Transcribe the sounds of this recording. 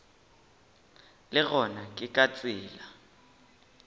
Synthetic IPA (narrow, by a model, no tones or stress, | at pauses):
lɪɣɔnakʼɪkʼat͡sʼɪːla